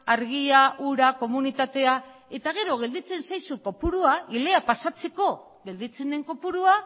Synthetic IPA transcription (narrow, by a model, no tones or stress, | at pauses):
aɾɣiaʔuɾako̞munit̪at̪e̞ae̞t̪aɣe̞ɾo̞ɣ̞e̞ld̪it͡se̞nsajsuko̞puɾuaʔile̞apasat͡se̞ko̞ | ɣe̞ld̪it͡se̞nd̪e̞ŋko̞puɾua